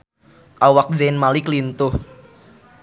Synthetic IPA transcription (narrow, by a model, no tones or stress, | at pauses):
ʔawak̚d͡ʒanmalɪklint̪ʊh